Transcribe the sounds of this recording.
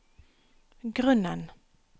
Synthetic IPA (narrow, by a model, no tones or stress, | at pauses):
ɡʁɵnːən